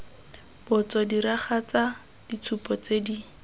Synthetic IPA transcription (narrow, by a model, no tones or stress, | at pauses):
b̥ʊt͡sɔdiɾaχat͡sa | d̥it͡sʰupɔt͡sedi